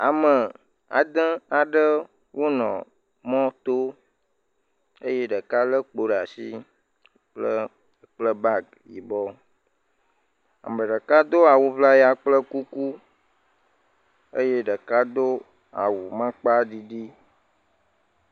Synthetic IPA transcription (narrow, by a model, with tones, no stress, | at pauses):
a˨mə˨ | a̰˨d̪ə̃˦a˨ɖə˦ | wo˦nɔ̰̃˨ | mɔ̃˦t̪o˦ | ə˦je˦ɖə˨ka˦lə˦k͡po˨ɖa˨sḭ˦ | k͡plə˦ | k͡plə˦ba˦ɡ | ji˨bɔ˦ | a̰˨mə̃˨ɖə˨ka˦d̪o˦a˨wu˨vla˦ja˨k͡plə˦ku˦ku˦ | ə̰˦je˦ɖə˨ka˦d̪o˦ | a̰˨wu˨mã˦k͡pa˦ɖi˨ɖi˦